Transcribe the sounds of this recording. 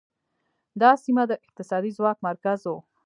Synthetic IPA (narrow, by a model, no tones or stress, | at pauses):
d̪ɑsimad̪əʔɪq̚t̪ɪsɑd̪izwɑkmaɾkazwo